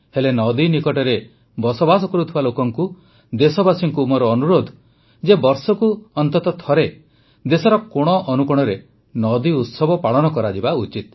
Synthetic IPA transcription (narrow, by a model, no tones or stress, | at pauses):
helenɔd̪inikɔʈɔɾe | bɔsɔbas̬ɔkɔɾut̪ʰibalokɔŋku | d̪esɔbasiŋkumɔɾɔːnuɾod̪ʱ | d͡ʒebɔɾsɔkuɔnt̪ɔt̪ɔt̪ʰɔɾe | d̪esɔɾɔkoɽ̃ɔʔɔnukɔɽ̃ɔɾe | nɔd̪iut̪sɔbɔpaɭɔnɔkɔɾad͡ʒibaut͡ʃit̪̚